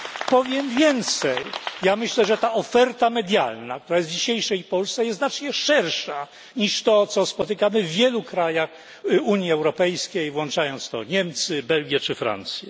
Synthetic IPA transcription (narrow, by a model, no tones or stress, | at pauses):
pɔvʲjɛmvʲjɛnt̪sɛjjamɘɕlɛʐɛt̪aʔɔfɛɾt̪amɛd̪ʲja̰lnak̚t̪uɾajɛsvd͡ʑiɕejʂɛjpɔlssɛjɛznat͡ʂɲɛʂɛɾʂa | ɲiʂt̪ɔt̪sɔspɔt̪ɘkamɘvːʲjɛlukɾajax | uɲjiɛwɾɔpɛjskʲejvwɔnt͡ʂajɔnt̪st̪ɔ̰ɲɛmt̪sɘbɛlɡʲjɛt͡ʂɘfɾa̰nt̪sʲjɛ